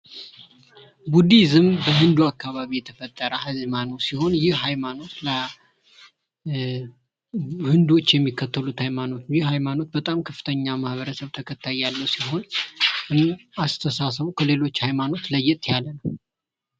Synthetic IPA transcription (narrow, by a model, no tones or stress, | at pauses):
bud̪izɨmbəhɨnd̪uakːaβaβijɛt̪ʰəfət̪ʼːəɾəhɨzmanowsiho̞njɪhhajmano̞t̪lə | hɨnd̪wo̞t͡ʃːjɛmːikːət̪ʰːəlut̪hajmano̞t̪jɪhɦajmano̞t̪̚bət̪ʼamkʰəfɨt̪ʰəɲːamahβəɾəsəβt̪ʰəkʰət̪ʰːajalːəwsiɦo̞nɨast̪ʰəsasəβukʰəle̞lo̞t͡ʃːhajmano̞t̪ləjːɪt̪ʼjalːənəw